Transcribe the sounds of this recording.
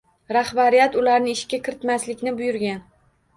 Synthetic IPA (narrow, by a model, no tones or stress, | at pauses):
ɾahbaɾijat̪ʊlaɾnɪɪʃɡʲakʲʰɪɾɪt̪maslɪkʲnɪbʊjʊɾɡʲan